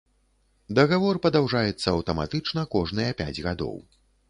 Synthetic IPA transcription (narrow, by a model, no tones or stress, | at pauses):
d̪ɐɣavɔrpɐd̪awʐajɛt̪sːɐːwt̪ɐma̰t̪ɨt͡ʂn̪ɐkɔʐn̪ɨjɐpʲa̰d͡zʲɣad̪ɔ̰w